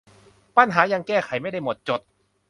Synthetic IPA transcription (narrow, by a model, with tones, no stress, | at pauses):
pa˧˨nɦaː˩˦˥ja˧ŋkɛː˥˩kʰa˨˦jma˥˩jda˥˩jmo˨˩t̪̚t͡ɕo˨˩t̪̚